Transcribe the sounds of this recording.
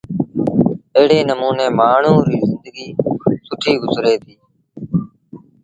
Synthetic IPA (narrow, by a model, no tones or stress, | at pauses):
əɦɪɽeːnəmuːneːmaːɳ̤uːɾiːzɪnd̪əɡiːsʊʈʰiːɡʊzɾeːt̪ʰiː